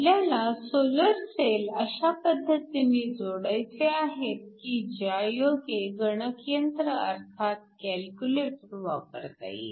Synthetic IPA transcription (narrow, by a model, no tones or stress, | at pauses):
ljanːasoləɾseləɕapəd̪ʱːət̪iniːd͡zoɽəjt͡seaɦet̪̚kid͡ʑajokeɡəɳəkjənt̪ɾəə̰ɾt̪ʰat̪̚kɛlkʲjuleʈʋa̰pəɾt̪a̰ji